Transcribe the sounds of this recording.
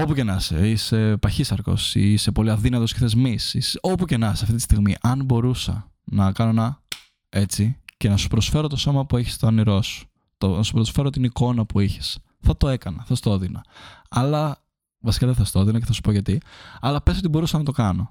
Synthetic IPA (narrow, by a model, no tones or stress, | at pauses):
o̞puce̞nɐsḛise̞pɐçisɐɾko̞̰sḭise̞po̞liɐðinɐt̪o̞se̥xθezmisisopuce̞nɐsɐft̪it̪ist̪iɣmiʔɐnbo̞ɾusɐ̰ | nɐkɐnoenɐ | e̞t͡sice̞nɐsu̥pɾo̞sfe̞ɾot̪o̞so̞mɐpueçi̥st̪oɐniɾo̞su̥ | t̪onɐsu̥pɾo̞sfe̞ɾot̪iniko̞nɐpuiçi̥s | θɐt̪o̞e̞kɐnɐθɐst̪ooðinɐ̰ɐlɐ | vɐsi̥kɐðeθɐst̪o̞ðinɐceθɐsu̥poʝɐt̪iɐlɐpe̞sot̪ibo̞ɾusɐnɐt̪o̞kɐno̞